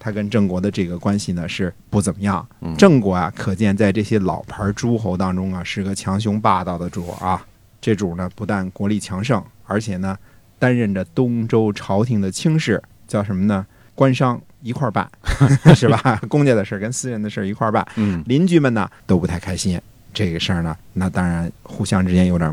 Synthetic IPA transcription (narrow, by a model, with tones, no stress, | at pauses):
t̪ʰa˥kə˥nʈ͡ʂɤ˥˩ŋkwɔ˧˥d̪ə˧ʈ͡ʂɤ˥˩ɡə˩kwa˥nɕi˨˩nə˩ʂɻ̩˥˩pu˥˩t͡sə˨˩nmə˦jɑ˥˩ŋʈ͡ʂɤ˥˩ŋkwɔ˧˥ɐ̰˧kʰɤ˨˩t͡ɕjɛ˥˧nt͡sa˥˧ɪʈ͡ʂɤ˥˩ɕjɛ˥lɑ̰˨˩ʊpʰə˞˧˥ʈ͡ʂu˥xo˧˥ʊt̪ɑ˥ŋʈ͡ʂʊ˥ŋɐ˨ʂɻ̩˥˩˥ɡə˩t͡ɕʰjɑ˧˥ŋɕ̬ʊ˧˥ŋpa˥˧t̪ɑ˥˩ʊd̪ə˩ʈ͡ʂṵ˨˩ɐ˧ | ʈ͡ʂɤ˥˩ʈ͡ʂu˨˩nə˦pu˧˥t̪wa˥˩nkwɔ˧˥li˥˩t͡ɕʰjɑ˧˥ŋʂɤ˥˩ŋə˞˧˥t͡ɕʰjɛ˨˩nə˦ | t̪a˥nɻə˥˩nd͡ʒə˩t̪ʊ˥ŋʈ͡ʂo˥ʊʈ͡ʂʰɑ˧˥ʊt̪ʰi˧˥ŋd̪ə˧t͡ɕʰi˥ŋʂɻ̩˥˩ | t͡ɕjɑ˥˩ʊʂə˧˥mə˧nə˧ | kwa˥nʂɑ˥˧ŋ | i˧˥kʰwa˥˧pa̰˥˩nʂɻ̩˥˩ba˩kʊ˥ŋt͡ɕjɛ˥˩d̪ə˨ʂə˞˥˩kə˥nsɹ̩˥ɻə˧˥nd̪ə˧ʂə˞˥˩i˧˥kʰwa̰˥˧pa̰˥˩nli˧˥nt͡ɕy˧˥mə˨nnə̰˩t̪o˥ʊpu˧˥t̪ʰa˥˩ɪkʰa˥ɪɕi˥n | ʈ͡ʂɤ˥˩ɡə˩ʂə˞˥˩nə˩ | na˥˩t̪ɑ˥ŋɻa˧˥nxu˥˩ɕjɑ˥ŋʈ͡ʂɻ̩˥t͡ɕjɛ˥njo˧˥ʊt̪ə̰˨˩